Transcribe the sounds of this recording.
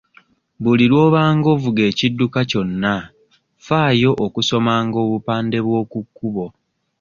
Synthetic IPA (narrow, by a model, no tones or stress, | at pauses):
βuliɾwo̞ːβaːŋɡo̞vuɡe̞ːcidːukaco̞nːa | faːjo̞ʔokuso̞maːŋɡo̞ːβupaːnde̞βwo̞ːkukːuβo̞